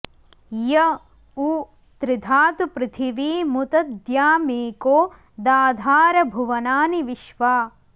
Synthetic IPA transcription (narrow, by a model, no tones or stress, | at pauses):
jɐ | uː | t̪ɾɪd̪ʱaːt̪upɾɪt̪ʰiʋiːmut̪ɐd̪jaːmeːkoː | d̪aːd̪ʱaːɾɐbʱuʋɐnaːniʋiʃʋaː